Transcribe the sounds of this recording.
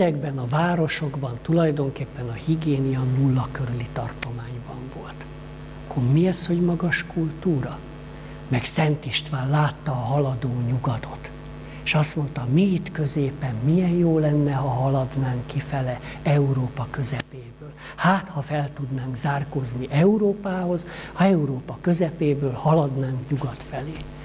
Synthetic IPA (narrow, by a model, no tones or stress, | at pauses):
ɛɡbɛnɒvaːɾo̞ʃo̞ɡbɒnt̪ulɒjd̪o̞ŋkeːpːɛnɒhiɡeːnijɒnulːɒkøɾylit̪ɒrt̪o̞maːɲbɒɱvo̞lt̪ | kʰːormiɛsho̞ɟmɒɡɒʃkult̪uːɾɒ | mɛksɛnt̪iʃt̪ʋaːllaːt̪ːɒːɦɒlɒd̪oːɲuɡɒd̪o̞t̪ | eʃɒst̪mo̞nt̪ɒmiit̪kø̞zeːpɛmmijɛjjoːlɛnːɛɦɒɦɒlɒd̪naːŋkːifɛlɛɛuɾoːpɒkø̞zɛpeːbøːl | haːt̪hɒfɛlt̪ud̪naːŋkzaːrko̞zniʔɛuɾoːpaːho̞zhɒɛuɾoːpɒkø̞zɛpeːbøːlhɒlɒd̪naːŋkɲuɡɒt̪fɛleː